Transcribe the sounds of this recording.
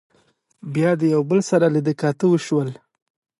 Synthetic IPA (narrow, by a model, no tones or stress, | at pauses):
bjɑd̪əjawbəlsaɾaləd̪əkɑt̪əwəʃwəl